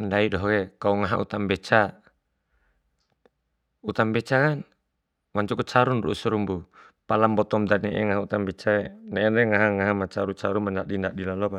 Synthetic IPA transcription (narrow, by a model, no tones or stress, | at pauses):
ndaidɔɦkɛkauŋaɦa̰ʔṵt̪ambɛt͡ʃa | ut̪ambɛt͡ʃakan | maɲt͡ʃukut͡ʃaɾunruusɛɾumbu | palambɔt̪ɔmd̪aniʔɛ̰ŋaɦaut̪ambɛt͡ʃaɛnɛɛndɛŋaɦaŋaɦamat͡ʃaɾut͡ʃaɾumandaʔdindaʔdilalɔba